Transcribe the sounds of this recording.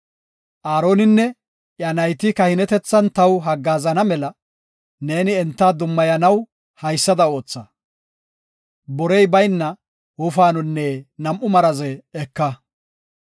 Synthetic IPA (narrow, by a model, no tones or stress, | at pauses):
ʔaːɾo̞ːnɪnːɛ | ʔjɐnɐjt̪ɪkɐhɪnɛt̪ɛt͡sːɐnt̪ɐwɦɐɡːaːzɐnɐmɛlɐ | ne̞ːnɪɛnt̪ːaːd̪ʊmːɐjɐnɐw | hɐjsːɐd̪ɐo̞ːt͡sːɐ | bɔɾɛjbɐjnːɐ | wʊfaːnʊnːenɐmʔʊmɐɾɐzɛːkːɐ